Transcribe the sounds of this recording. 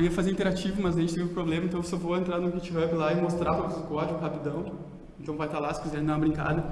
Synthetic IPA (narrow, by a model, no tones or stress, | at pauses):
ɾiɐfazeɾĩnt̪eɾat͡ʃivʊmɐzɐʒẽt͡ʃɪt̪eviʊ̃pɾoblẽmɐ̃t̪ɐ̃w̃sevoẽnt̪ɾaɾnʊkit͡ʃɪɦɐbɪlaɪmost̪ɾamɐkozʊkɔɾd͡ʒɪʊɦapid̪ɐ̃w̃ | ẽnt̪ɐ̃w̃vajt̪alasɪ̥fizɛɾ̃d̪ũmɐbɾĩŋka̰d̪ɐ